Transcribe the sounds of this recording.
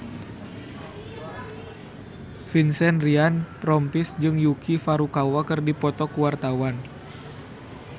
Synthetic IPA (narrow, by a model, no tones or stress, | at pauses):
finsɛnrianpɾɔmpisd͡ʒɨŋjukʰifaɾukawakɨrdipɔt̪ɔkuwart̪awan